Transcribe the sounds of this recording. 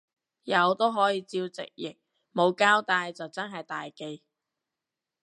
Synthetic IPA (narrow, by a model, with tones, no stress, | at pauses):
jɐ˨˧wt̪o˥wɦɔː˨˥jiː˨˧t͡siː˧wt͡sɪ̰˨k̚jɪ˨˩k̚ | mo˨˧wkaː˥wt̪aː˧jt͡sɐ˨wt͡sɐ˥nɦɐ˨jt̪aː˨jke˧j